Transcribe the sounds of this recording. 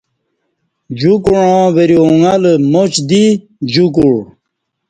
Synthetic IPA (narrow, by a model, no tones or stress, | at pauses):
d͡ʑukuɻãːweɾioŋaləmot͡ɕd̪i | d͡ʑuk̬uɻ